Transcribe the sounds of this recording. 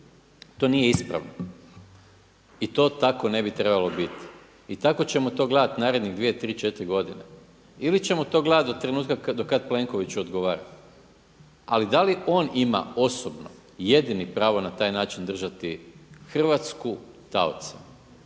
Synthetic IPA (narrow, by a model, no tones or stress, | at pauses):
t̪o̞nije̞ispɾa̰ʋno | it̪o̞ːt̪ako̞ne̞bit̪ɾe̞balo̞bit̪i̥ | it̪ako̞t͡ɕe̞mot̪o̞ːɡled̪at̪naːɾe̞d̪niɣd̪ʋijet̪ɾiːt͡ʃe̞t̪ɾiɡo̞d̪ine | ilit͡ɕe̞mo̞t̪o̞ːɡled̪at̪ot̪ːɾe̞nuːt̪kad̪okad̪pleŋko̞ʋit͡ɕuod̪ɡoʋaːɾa̰ | a̰lid̪aliʔo̞ːnima̰o̞sobno̰ | je̞d̪inipɾaːʋo̞nat̪aːjnaːt͡ʃind̪r̩ʒat̪ixr̩ʋat̪sku | t̪a̰o̰t̪su